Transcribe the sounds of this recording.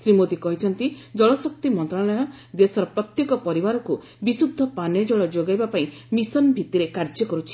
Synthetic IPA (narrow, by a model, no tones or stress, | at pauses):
sɾimot̪ikɔɦit͡ʃʰɔnt̪id͡ʒɔɭɔsɔk̚t̪imɔnt̪ɾalɔjɔ | d̪esɔɾɔpɾɔt̪jekɔpɔɾibaɾɔku | bisud̪ʱɔpaned͡ʒɔɭɔd͡ʒoɡajbapaĩmisɔnbʱit̪iɾekaɾd͡ʒjɔkɔɾut͡ʃʰi̥